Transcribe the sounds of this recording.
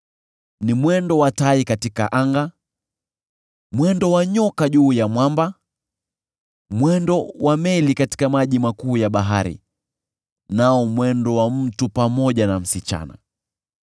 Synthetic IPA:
nimwɛndɔwataikatika̰ʔaŋɡa | mwɛndɔwaɲɔkaʄuːjamwamba | mwɛndɔwʔamɛlikati̥kamaʄimakuːjaɓaɦa̰ɾḭ | naɔmwɛndɔwam̩tupamɔʄanam̩sit͡ʃa̰na̰

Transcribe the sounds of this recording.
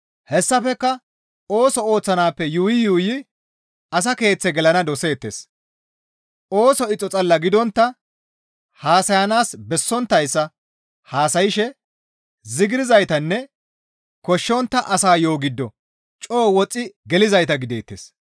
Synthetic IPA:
hɛsːɐfɛkːɐ | o̞ːsɔo̞ːt͡sːɐnaːpːɛjuːjɪjuːjɪ | ɐs̬ɐke̞ːt͡sːɛɡɛlɐnɐd̪ɔse̞ːt̪ːḛːs | o̞ːsɔɪt͡sʼːɔt͡sʼɐlːɐɡɪd̪ɔnt̪ːɐ | haːsɐjɐnaːsbɛsːɔnt̪ːɐjsːɐ | haːsɐjɪʃɛ | zɪɡɪɾɪzɐjt̪ɐnːɛ | kɔʃːɔnt̪ːɐʔɐsaːjo̞ːɡɪd̪ːɔ | t͡ʃʼoːwɔt͡sʼːɪɡɛlɪzɐjt̪ɐɡɪd̪eːt̪ːḛːs

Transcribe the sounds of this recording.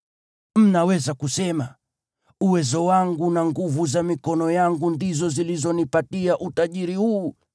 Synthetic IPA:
m̩nawɛzakusɛma | uwɛzɔwaŋɡunaŋɡuvuzamikɔnɔjaŋɡundizɔzilizɔnipatiaʔutaʄiɾihuː

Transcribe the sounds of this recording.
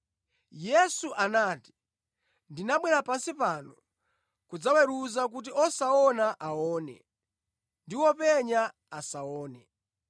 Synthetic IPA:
jɛsuʔanaːti̥ | ndinaɓwɛɾapansipanɔ | kud͡zawɛɾuzak̬ut̬iɔsaɔnaʔaɔːnɛ̰ | ndiwɔpɛɲa | asaɔːnɛ

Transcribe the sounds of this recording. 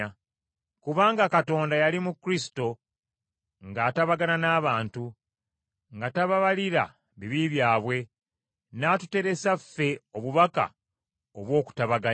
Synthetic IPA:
kuβaːŋɡakato̞ːndajalimukɾisi̥to̞ | ŋɡaːtaβaɡananaːβaːntu | ŋɡataβaβaliɾa̰ | βiβiβjaːβwe̞ | naːtu̥te̞ɾe̞safːe̞oβuβaka̰ | oβwo̞ːku̥taβaɡa

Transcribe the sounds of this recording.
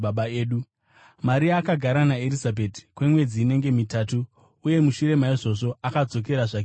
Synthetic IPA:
aɓaeːɗu | maɾiaːkaɡʱaɾanaeɾizabʱeti̥kwe̞mwe̞d͡ziːne̞ŋɡe̞mitaːtuː | je̞muʃuɾe̞maiʐo̞ʐo̞akad͡zo̞k̬e̞ɾaʐake

